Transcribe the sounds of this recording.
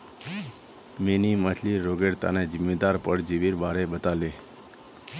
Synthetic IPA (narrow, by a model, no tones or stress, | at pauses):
meniməsʰliːoɡeɽt̪a̰ned͡ʒɪmːed̪aɾpəɽd͡ʒiʋiɾbaɽebət̪ale